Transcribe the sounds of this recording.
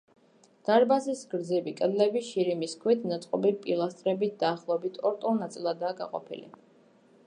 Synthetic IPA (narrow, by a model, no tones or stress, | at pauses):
d̪̥aɾbazisɡɾd̪zibikʼɛd̪lɛbiʃiɾimiskʰwit̪ʰnat̪sʼqʼɔbipʼilˠast̪ʼɾɛbit̪̚ʰd̪aːχlˠɔɛbit̪ʰɔɾt̪ʼɔlˠnat̪sʼilˠad̪aːɡa̰qʼɔ̰pʰḭlḭ